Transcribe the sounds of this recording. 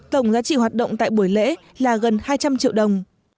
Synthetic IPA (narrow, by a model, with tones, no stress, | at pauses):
t̪ə˧˩wŋ͡mzaː˨˦t͡ɕḭ˧˨ɦwaː˨˩t̚ɗə̰˧˨wŋ͡mt̪a̰ː˧˨jɓu˧˩əjlḛ˧˥ | laː˨˩ɣə˨˩nhaː˧jt͡ɕa˧mt͡ɕḭ˧˨əwɗə˨˩wŋ͡m